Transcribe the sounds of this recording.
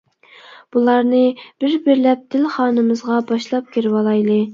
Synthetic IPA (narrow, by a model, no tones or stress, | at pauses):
b̥ulˠɑɾnɨb̥ɪɾbɪɾlɛp̚d̪̥ɪlχɑːnɨmɨzʁɑbɑʃlˠɑp̚kʲʰiɾwɑlˠɑjlˠɨ